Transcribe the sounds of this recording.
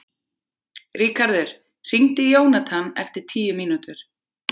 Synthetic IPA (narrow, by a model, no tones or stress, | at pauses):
riːkaɾðɪɾ̥ | r̥iŋt̪ɪjoːwnat̪ʰanɛ̰ft̪ɪɾ̥t̪ʰiːjʏmiːnut̪ʏɾ̥